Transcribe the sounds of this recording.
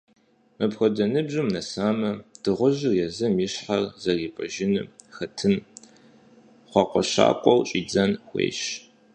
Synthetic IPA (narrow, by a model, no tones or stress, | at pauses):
mɐpxʷɔdɐnɨbʑɨmnɐsaːmɐd̥ɨʁʷʊʑɨrjɛzɐmjiɕħarzɐriːpʼɐʒɪnɨxɐtʰɨm | χʷɑqʷɔɕa̰ːkʷʼɔwt͡ʃʼiːd͡zɐnxʷḛːɕ